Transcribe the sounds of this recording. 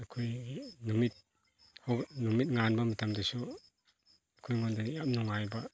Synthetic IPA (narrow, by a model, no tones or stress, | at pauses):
kʰujnumit̚ | hɔnumit̚ŋanbamitʰamdasu | akʰujŋondadiap̚nuŋajba